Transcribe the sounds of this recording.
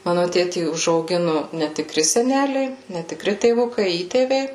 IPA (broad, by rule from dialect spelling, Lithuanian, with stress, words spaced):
ˈmɑːnʊ ˈtʲeːtʲiː ʊʒɐʊˈɡʲɪnʊ nʲɛtʲɪˈkrʲɪ sʲɛˈnʲæːlʲɛɪ nʲɛtʲɪˈkrʲɪ tʲeːˈʋʊkɐɪ ˈiːtʲeːʋʲɛɪ